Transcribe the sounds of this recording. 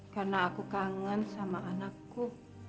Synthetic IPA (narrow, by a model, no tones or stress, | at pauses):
karnaːkukaŋənsamaʔanakːu